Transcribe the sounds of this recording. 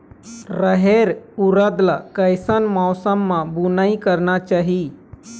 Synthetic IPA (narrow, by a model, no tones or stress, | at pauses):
ɾəɦeɾuɾəd̪lakəjsənmaːsəmːãbʊnaĩkəɾnat͡ʃaːɦi